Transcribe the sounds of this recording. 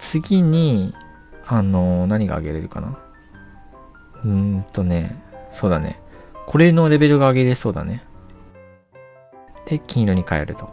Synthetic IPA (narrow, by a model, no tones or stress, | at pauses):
t͡sɨɡʲiɲ̟i | ano̞naɲ̟iɡa̰ːɡe̞ɾe̞ɾɯ̟ka̰na̰ | ɯ̃t̪o̞ne̞so̞ːd̪anḛko̞ɾe̞ɯno̞ɾe̞be̞ɾɯ̟ɡaːɡe̞ɾe̞so̞ːd̪a̰ne̞ | d̪̥e̞kʲĩɰ̃ɾo̞ɲ̟ikae̞ɾɯ̟t̪o̞